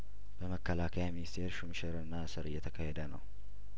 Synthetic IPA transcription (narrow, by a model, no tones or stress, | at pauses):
b̥əməkːəlakʰəjaminist̪ʰe̞ɾʃumʃəɾɨnːasɨɾɨ̰jːɛt̪ʰəkʰahɛd̪ənə̰w